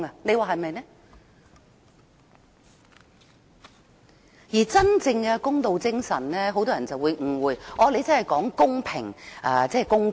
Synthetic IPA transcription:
ɐ˨˧ne˨˧jwaː˨˧ɦɐ˨jmɐ˨jnɛ˥ | jiː˨˩t͡sɐ˥nt͡sɪ˧ŋkɛ˧kʊ˥ŋt̪o˨wt͡sɪ˥ŋsɐ˨˩nnɛː˥ɦo˨˥wt̪ɔː˥ɐ˨˩nt͡sɐ˨wu˨˧jŋ̩˨˩wuː˨˧jʔɔː˨˧le˨˧jt͡sɐ˥nhɐ˨˩jkɔː˨˥ŋkʊ˥ŋpʰɪ˨˩ŋʔɐː˧t͡sɛː˥˩kʊ˥ŋ

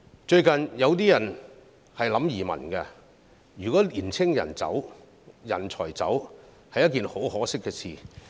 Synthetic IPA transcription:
t͡ʃɵ˧ɥkɐ˨njɐ˨˧wt̪iː˥jɐ˨˩n | hɐ˨jlɐ˨˥mjiː˨˩mɐ̰˨˩nkɛ˧ | jyː˨˩kɔː˨˥liː˨˩nt͡sʰɪ˥ŋjɐ̰˨˩nt͡sɐ̰˨˥w | jɐ̰˨˩nt͡ʃʰɔː˨˩jt͡sɐ̰˨˥w | hɐ˨jːɐ˥t̚k̬iː˨nho˨˥whɔː˨˥sɪ˥kːɛː˧t͡sʰḭː˨

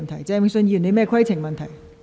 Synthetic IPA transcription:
nt̪ʰɐ˨˩jt͡sɛː˧˥m˥sɵ˧nji˧˨˩ne˨˧˥mɛː˥kʰwɐ˥jt͡sʰɪ˨˩ŋmɐ˨nt̪ʰɐ˨˩j

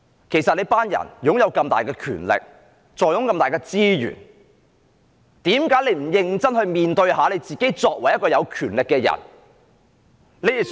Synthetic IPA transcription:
kʰe˨˩jsɐ˨t̚le˨˥jpaː˥njɐ̰˨˩njʊ˨˥ŋjɐ˨˧wkɐ˧mt̪a̰ː˨jkɛː˧kʰy̰ː˨˩nlɪ̰˨k̚ | t͡sɔː˨jʊ˨˥ŋkɐ˧mt̪aː˨˩jkɛː˧t͡siː˥jy̰ː˨˩n | t̪iː˨˥mkaː˨˥jle˨˧jm̩˨˩jɪ˧ŋt͡sɐ˥nhɵ˧ɥmiː˨nt̪ɵ˧ɥhaː˨˥le˨˧jt͡siː˨ke˨˥jt͡sɔː˧k̚wɐ˨˩jɐ˥t̚kɔː˧jɐ˨˧wkʰyː˨˩nlɪ˨kːɛː˧jɐ̰˨˩n | le˨˧jɪ˨

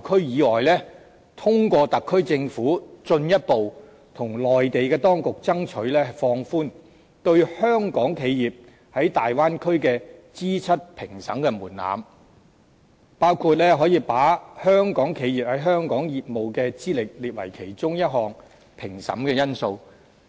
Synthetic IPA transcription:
kʰɵ˥ɥjiː˨˧lɔː˨jlɛː˥ | t̪ʰʊ˥ŋkʷɔː˧t̪ɐ˨kʰːɵ˥ɥt͡sɪ˧ŋfuː˨˥t͡sɵ˧njɐ˥t̚po˨w | t̪ʰʊ˨˩ŋlɔː˨jt̪e˨jkɛː˧t̪ɔː˥ŋkʊ˨k̚t͡sɐ˥ŋt͡ʃʰɵ˨˥ɥlɛː˥fɔː˧ŋfuː˥n | t̪ɵ˧ɥhœː˥ŋkɔː˨˥ŋkʰe˨˧jjiː˨p̚ | hɐ˨˥jt̪aː˨jwaː˥nkʰɵ˥ɥkɛː˧t͡siː˥t͡sʰɐ˥t̚pʰɪ˨˩ŋsɐ̰˨˥mkɛː˧muː˨˩nla̰ː˨m | paː˥wkʰu˧t̚lɛː˥ɦɔː˨˥jiː˧paː˨˥hœː˥ŋkɔː˨˥ŋkʰe˨˧jiː˨p̚hɐ˨˥jɦœː˥ŋkɔː˨˥ŋjiː˨t̚mo˨wkɛː˧t͡siː˥lɪ˨k̚liː˨t̚wɐ̰˨˩jkʰe˨˩jt͡sʊ˥ŋjɐ˥t̚ɦɔː˨ŋ | pʰɪ˨˩ŋsɐ̰˨˥mkɛː˧jɐ˥nso˧w

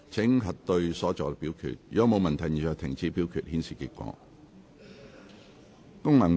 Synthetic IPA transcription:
t͡sʰɪ˨˥ŋɦɐ˨t̚t̪ɵ˧ɥsɔː˨˥t͡sɔ̰ː˨˧pi˨˥wkʰy̰ː˨t̚jɐ˨˧˥mo˨˧wmɐ˨˩nt̪ʰɐ˨˩jɲi˨˩t͡sɔː˨˩t̪ʰɪ˨˩ŋt͡siː˨˥pi˨˥wkʰyː˨t̚hiː˨˥nsiː˨ki˧˥kʷɔ̰ː˨˧˥ | kʊ˥ŋlɐ˨˩ŋ

